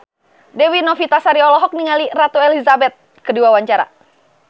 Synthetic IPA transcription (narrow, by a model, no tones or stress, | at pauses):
dɛwinɔfit̪asaɾiɔlɔɦɔk̚niŋalirat̪uɛlizabɛt̪̚ | kəduawaɲt͡ʃaɾa̰